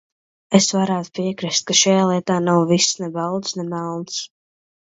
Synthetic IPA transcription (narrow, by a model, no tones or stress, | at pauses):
esvaɾaːt̪u̥piɛkɾist̪̚kaʃajaːlˠiɛt̪aːnawvisːnɛbawd̪snɛmalˠns